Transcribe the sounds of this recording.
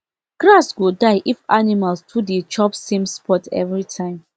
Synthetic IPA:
ɡɹasɡodaɪʔifa̰nimalstʰudet͡ʃɔpsĩmspɔtɛ̰vɹitʰãɪ̃m

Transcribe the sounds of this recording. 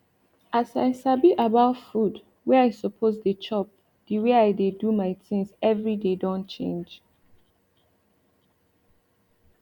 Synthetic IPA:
asaɪsabiʔabaʊtfud | wɛaɪsɔpʰozdet͡ʃɔp̚ | d̥iweajdedumaɪtĩŋzɛvɹidedɔ̃nt͡ʃḛ̃nd͡ʒ

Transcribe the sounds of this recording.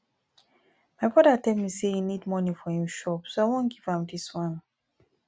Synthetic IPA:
maɪbɔdatɛlmisejunidmɔnifɔjĩʃɔpsoaɪwɔ̃nɡivãmdiswãn

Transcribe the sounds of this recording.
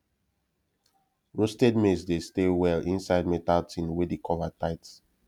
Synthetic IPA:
ɹostɛd̚mesdestewɛlĩnsaɪd̚metaltʰĩnwedikʰɔvataɪts

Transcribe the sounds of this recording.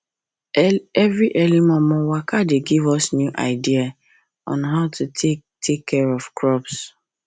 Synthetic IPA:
ɛvɹiʔɛlimɔ̃mɔ̃wakadeɡivɔsnjuʔa̰ɪdia | ɔ̰̃nɦaʊtʰutʰetʰekʰːɛɹɔvkɹɔps

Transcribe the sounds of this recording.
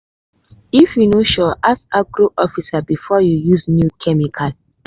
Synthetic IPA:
ifjunoʃɔʔasaɡɾoʔɔfisabifɔjujusnjukʰɛmikʰal

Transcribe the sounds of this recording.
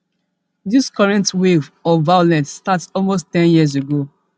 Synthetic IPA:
diskɔɹɛ̃ntwevɔvajolɛ̃nsːtatsɔlmosttɛ̃njiəz̬eɡo

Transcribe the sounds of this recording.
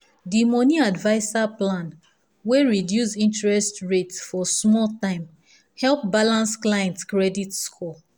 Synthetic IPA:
dimɔniadvaɪsaplãn | weɹidjusĩntɹɛstɹetsfɔsmɔltãɪ̃m | hɛlp̚balãnsklajɛ̃ntkɹɛditskʰɔ

